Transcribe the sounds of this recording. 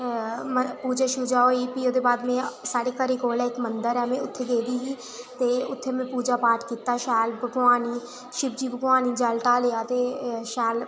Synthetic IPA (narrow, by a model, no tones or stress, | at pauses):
mpuːd͡ʒaːʃʊd͡ʒaːɦoːiːpiːoːd̪eːbaːd̪mẽːsaːɽeːkəɾiːkoːlɛːɪkmənd̪əɾɛːmẽʊt̪ʰːeːd̪eːd̪iːɦiː | t̪eːʊt̪ʰːeːmɛ̃ːpuːd͡ʒaːpaːɾʈkiːt̪aːʃɛːlbʱəɡʋaːniː | ʃɪb̚d͡ʒiːbʱəɡʋaːniːd͡ʒaːlʈaːlejaːt̪eːʃɛːl